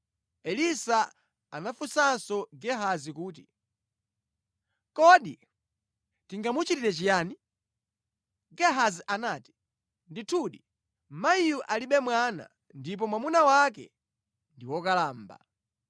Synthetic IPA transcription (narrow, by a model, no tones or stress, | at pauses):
ɛlisa | anafusansɔɡɛɦazikuːti | kɔɗi | tiŋɡamut͡ʃitiɾɛt͡ʃijaːni | ɡɛɦaziʔanaːti̥ | nditʰuɗi | maijuʔaliɓɛmwana̰ | ndip̬ɔmwamunawak̬ɛ̰ | ndiwɔkalaːmba̰